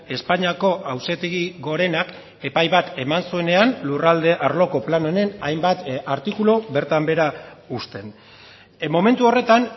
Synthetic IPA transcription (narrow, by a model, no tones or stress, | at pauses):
e̞spaɲiako̞ʔawse̞t̪eɣiɣo̞ɾe̞nak | e̞pajβat̪e̞mansue̞ne̞anlurald̪e̞ʔaɾlo̞ko̞plano̞ne̞najmbat̪aɾt̪ikulo̞βe̞ɾt̪ambe̞ɾaust̪e̞n | mo̞me̞nt̪uo̞re̞t̪an